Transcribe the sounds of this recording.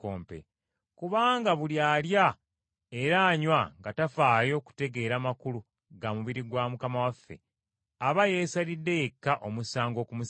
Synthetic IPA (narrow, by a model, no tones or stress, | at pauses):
oːmpḛ | kuβaːŋɡaβuljaːlja | e̞ɾaːɲwaŋɡatafaːjo̞ːku̥te̞ɡe̞ːɾaːmakulu | ɡamuβiɾiɡwamukamawafːe̞̰ | aβaje̞ːsalidːe̞je̞kːaʔo̞musaːŋɡo̞ːkumus